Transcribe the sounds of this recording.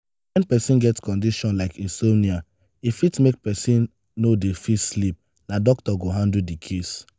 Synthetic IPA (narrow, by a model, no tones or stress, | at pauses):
wɛ̃npɛsĩnɡɛtskɔ̃ndiʃɔ̃nlaɪkĩnsonia | ifitmek̚pɛsĩnː | odefilslip̚ | nadɔk̚tɔɡoɦãndudikʰes